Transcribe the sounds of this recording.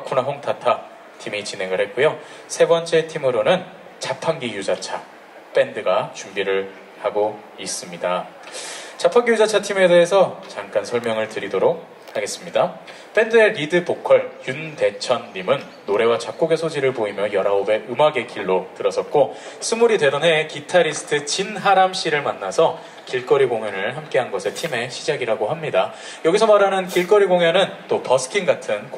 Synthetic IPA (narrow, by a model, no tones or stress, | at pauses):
akʰonaɦoŋtʰatʰa | tʰimit͡ɕinɦe̞ŋɯɭhet̚k͈ujo | sʰe̞bʌnt͡ɕ͈e̞tʰimɯɾonɯn | t͡ɕapʰaŋɡijud͡ʑat͡ɕʰa | p͈e̞ndɯɡat͡ɕumbiɾɯɭ | haɡo | is͈ɯmɲida | t͡ɕapʰaŋɡijud͡ʑat͡ɕʰatʰime̞de̞ɦesʰʌt͡ɕaŋk͈ansʰʌɭmjʌŋɯɭtɯɾidoɾok̚ | haɡe̞s͈ɯmɲida | p͈ʰe̞ndɯe̞ɾidɯpokʰʌɭjunte̞t͡ɕʰʌnːimɯnːoɾe̞wat͡ɕak͈̚oɡe̞sʰod͡ʑiɾɯɭpoimjʌjʌɾaobe̞ʔɯmaɡe̞kiɭːotɯɾʌsʰʌt̚k͈osʰumuɾide̞dʌnɦe̞kitʰaɾisʰɯ̥tʰɯt͡ɕinɦaɾamɕ͈iɾɯɭmanːasʰʌ | kiɭk͈ʌɾiɡoŋjʌnɯɭhamk͈e̞ɦanɡʌsʰe̞tʰime̞ɕʰid͡ʑaɡiɾaɡoɦamɲida | jʌɡisʰʌmaɾanɯnkiɭk͈ʌɾiɡoŋjʌnɯnt͈opʌsʰɯ̥kʰiŋɡatʰɯnk